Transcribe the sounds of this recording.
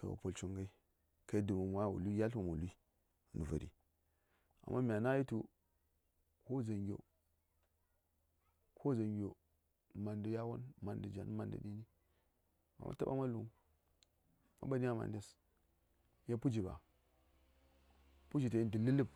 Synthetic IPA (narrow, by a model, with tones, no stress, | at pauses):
ka˨wa̰˨po˨lt͡ʃu˦ŋɡa˦i˦ | ka˦i˦du˨mu˨mwa˦˨wṵ˨li˦ja˦ɬo˦˨mo˨li˦˨ | nu˨va̰˨ɾḭ˨ | a̰˨mːa˦mʲ˨a˨na˦ji˦tu˦ | ko˦˨za˨nɡʲo̰˨ | kʰo˦˨za˨nɡʲo˨ | ma˨ndə˨ja˦wo̰˦nma˨ndə˨d͡ʒa˨n˦ma˨ndə̰˨ɗi˦ni˦ | ma̰˨mʔa̰˦ta˦ba̰˦ma˦lu˨ŋ | ma̰˦ba˨ni˦a˦ma̰˨ndi˦s | ja˦pu˦d͡ʒi˨ba̰˨ | pu˦d͡ʒi˨ta˨i˦di˨li˦li˦b